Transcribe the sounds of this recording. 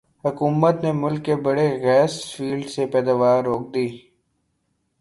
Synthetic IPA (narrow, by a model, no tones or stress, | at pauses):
hʊkuːmət̪nemʊlkːebɐɽeɣɛːsfiːlɖsepɛːd̪aːʋaːɾːoːk̚d̪iː